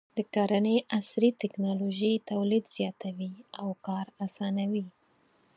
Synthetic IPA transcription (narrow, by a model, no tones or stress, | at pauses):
d̪̥əkaɾaneʔasɾit̪ɪknɑloʒet̪awlid̪z̥jɑt̪awiawkɑɾasɑnawi